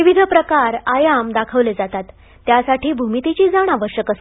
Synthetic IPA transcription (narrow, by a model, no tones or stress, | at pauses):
iʋid̪ʱəpɾəkaɾajamd̪akʰəʋled͡zat̪at̪ː | jasaʈʰiːbʱumit̪it͡ɕiːd͡zaɽ̃aʋəɾɕjəkəs